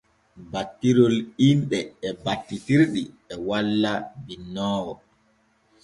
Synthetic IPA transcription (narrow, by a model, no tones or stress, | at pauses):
batːiɾɔlinɗɛɛbatːitiɾɗi | ɛwalːabinːɔːwɔ